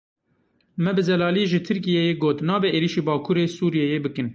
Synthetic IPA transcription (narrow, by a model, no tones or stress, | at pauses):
mɛbɨzɛlɑːliʒɪt̪ʰɨɾkijejeːɡoːt̪nɑːbɛʔeːliːʃiːbɑːkʰuːɾeːsuːɾijɛjeːbɨkɨn